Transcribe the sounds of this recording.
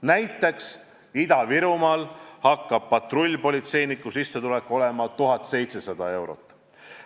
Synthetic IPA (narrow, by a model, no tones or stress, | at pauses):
næjt̪ːˑe̞ks | id̪̥ɑviɾumɑːlhɑkːɑb̥̚pɑt̪rolʲːpo̞lʲit̪se̞jnikːˑusisːet̪ule̞kːˑo̞le̞mɑt̪uɦɑt̪se̞jt̪se̞sɑd̪̥ɑe̞wɾo̞̰t̪ːˑ